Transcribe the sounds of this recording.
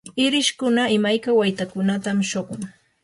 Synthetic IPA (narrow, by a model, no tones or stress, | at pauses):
ɪɾɪʃkʊnaɪmajkawajt̪akʊnat̪amʃoɢoŋ